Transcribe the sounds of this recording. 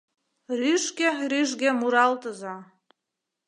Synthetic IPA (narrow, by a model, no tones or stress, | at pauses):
ryʒɡeryʒɡʲemuɾɑlt̪ə̆zɑ